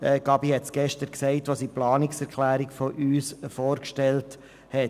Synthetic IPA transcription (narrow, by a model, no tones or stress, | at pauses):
ɛɡ̥ɑbihɛt̪sɡ̥ɛʃtəɾksɛɪtʋɑsiplɑːniksɛɾkʰlæːɾiɡfɔʔyːsfoːɾkʃtɛlt | hɛ